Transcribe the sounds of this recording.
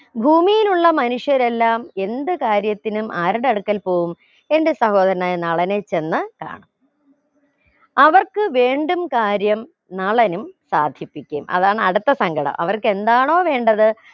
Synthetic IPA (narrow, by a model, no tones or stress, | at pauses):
bʱuːmijiluɭːɐmɐnuʂjɐɾe̞lːaːme̞nd̪ɨkaːɾjɐt̪ːinumʔaːɾiɽɐɽukːɐlpo̞ːɣum | e̞ndesɐho̞ːðɐɾɐnajnɐɭɐnet͡ɕːe̞nːɨka̰ːɳɐm | ɐʋɐrkɨʋe̞ːɳɖumkaːɾjɐm | nɐɭɐnumsa̰ːd̪ʱjipːikʲːumʔɐ̰ðaːɳɨɐɽut̪ːɐsɐŋɡʱɐɽɐ̰mʔɐ̰ʋɐrke̞nd̪aːɳo̞ːʋe̞ːɳɖɐðɨ